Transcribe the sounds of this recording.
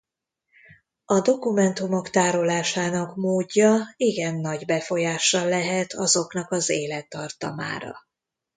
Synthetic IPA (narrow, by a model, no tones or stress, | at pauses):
ɒd̪o̞kumɛnt̪umo̞kt̪aːɾo̞laːʃaːnɒkmoːɟːɒiɡɛnːɒɟbɛfo̞jaːʃːɒlɛɦɛt̪ʰɒzo̞knɒkɒzeːlɛt̪ːɒrt̪ɒ̰ma̰ːɾɒ̰